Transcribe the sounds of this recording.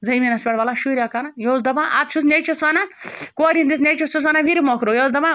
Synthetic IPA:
zɐjminɐspʲeɽʋɐlaʃuɾʲjakanajozd̪ɐbãʔa̰t̪̚t͡ʃʰus̬nʲet͡ʃʰusʋɐnankoːɾind̪is̬nʲet͡ʃʰusus̬ʋɐnanʋiɾimokʰɾojozd̪ɐbã

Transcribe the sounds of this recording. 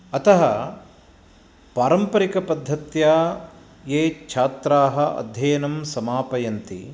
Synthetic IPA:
ɐt̪ɐɦɐ | paːɾɐmpɐɾikɐpɐd̪ʱːɐt̪jaː | jeːt͡ʃʰaːt̪ɾaːɦɐʔɐ̰d̪ʱjɐːnɐmsɐmaːpɐjɐnt̪ḭ

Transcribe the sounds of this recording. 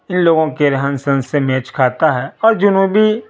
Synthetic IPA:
ɪnloːɡõkeɾɐɦənsə̃nsemɛːt͡ʃkʰaːt̪aɦɛɔːɾd͡ʒʊnubʱi

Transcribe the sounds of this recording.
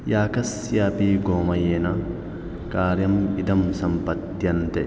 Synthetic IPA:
jaːkɐs | ɪjaːpiːɡoːmɐjenɐ | kaːɾɪjɐmɪd̪ɐmsɐmpɐt̪ːɪjɐnt̪ɐʔɛ

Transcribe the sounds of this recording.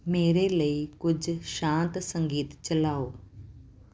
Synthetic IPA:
meːɾeləikʊd͡ʒʱʃãːnt̪sə̃ŋɡiːt̪t͡ʃəlaːoː

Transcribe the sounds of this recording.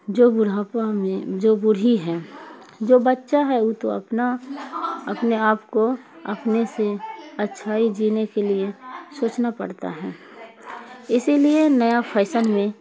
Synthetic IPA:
d͡ʒoːbʊɾapamẽd͡ʒoːbʊɽ̤iɦɛː | d͡ʒoːbətːʃaɦɛuːt̪o̰ə̰pna | ɐpneaːpko | əpneseɐtːʃʰaːid͡ʒiːnekeliesoːt͡ʃnapə̰ɽt̪a̰ɦɛː | ɪsilienəjapʰɛːɪsənmẽ

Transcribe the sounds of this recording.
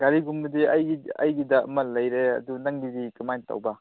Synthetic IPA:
ɡaɾiɡumbɐdiɐjɐjɡidɐɐ̰mɐlɐjɾeɐ̰dunɐŋɡidikɐmajntɐ̰wbɐ

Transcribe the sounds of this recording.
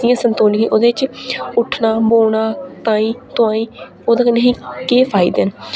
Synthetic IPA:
ijãːsənt̪oːnkẽʔoːd̪eːt͡ʃʊʈʰnaːboːɽ̃aːt̪ãːĩːt̪ʊãːĩː | oːd̪aːkəneɦĩːkeːpʰaːɪːd̪eːn

